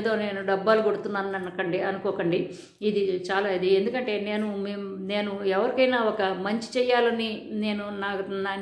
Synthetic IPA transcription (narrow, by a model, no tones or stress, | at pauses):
d̪o̞ːne̞ːnuɖɐbːaːluɡo̞ɽut̪unːaːnɐnkɐɳɖiɐnukɔːkɐɳɖi | id̪it͡ʃaːlaːid̪iend̪ukɐɳʈe̞ːne̞ːnumemne̞ːnuɛʋɐɾikɐjnaːɔkɐmɐɲt͡ʃi̥t͡ʃɛːjːaːlɐnine̞ːnunaːa